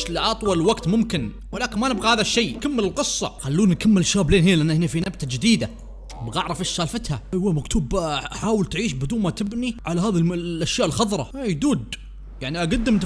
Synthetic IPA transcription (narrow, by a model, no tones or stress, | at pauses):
ʃlɪʔɑt̪ˤwɑlwaɡt̪mʊmkɪn | wɪlaːkɪnmanɪbɣahaːðaʃːejːkamːɪlɪlqɨsˤːɑ̰xalːuːnːkamːɪlɪʃːaːbleːnɦiːlʔanːahɪnːifinabt̪ad͡ʒɪd̪iːd̪a | ɪbɣʔaʕɾˤɑfɪʃːaːlfat̪haʔawamakt̪ʰuːbħaːwɪlt̪ʕiːʃbɪd̪uːnmat̪ɪbniʕalaɦaːðillʔaʃjaːʔɪlxɑðˤɾˤɑajd̪uːd̪ | jaʕniʔaɡad̪ːɪmt̪